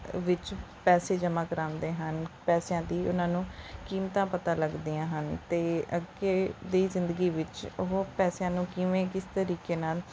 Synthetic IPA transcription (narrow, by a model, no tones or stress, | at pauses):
ʋɪt͡ʃpɛːseːd͡ʒəmãːkəɾãːnd̪eːɦənpɛːsɪjãːd̪iːʊnãːnũːkiːmt̪ãːpət̪aːləɡd̪iːãːɦənt̪eːəɡeːd̪iːzɪ̃nd̪əɡiːʋɪt͡ʃʊɦopɛːsjãːnũːkɪʋẽːkɪst̪əɾiːkeːnaːl